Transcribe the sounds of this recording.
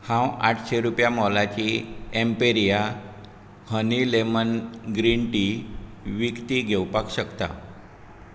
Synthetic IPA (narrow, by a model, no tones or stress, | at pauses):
hãwa̰ʈʰɕeɾupjamɔlat͡ɕiempeɾija | hənilemənɡɾiɳʈi | ʋikt̪iɡʱewpakɕəkt̪a̰